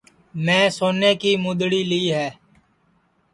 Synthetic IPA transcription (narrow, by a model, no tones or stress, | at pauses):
mɛ̃ːsoːneːkiːmʊd̪ɽiːliːɦɛː